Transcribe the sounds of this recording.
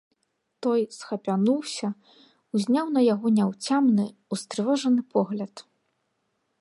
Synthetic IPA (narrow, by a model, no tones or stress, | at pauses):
t̪ɔjsxɐpʲanuwsʲɐ | uzʲnʲawnɐjaɣɔnʲɛwt͡sʲamnɨust̪ɾɨvɔʐɐnɨpʰɔɣlʲɐt̪